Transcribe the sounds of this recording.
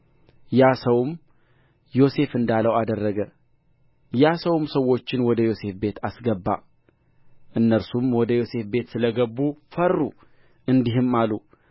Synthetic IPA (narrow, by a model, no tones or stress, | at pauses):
jasəwm | jo̞se̞fɨnd̪aləwad̪ərːəɡə | jasəwmsəwːo̞t͡ʃːɪnwɔd̪əjo̞se̞fbe̞t̪ʰasɡəbːa̰ | ʔɨnːəɾsumwɔd̪əjo̞se̞fbe̞t̪sɨləɡəbːufərːu | ɨnd̪iɦɨmalu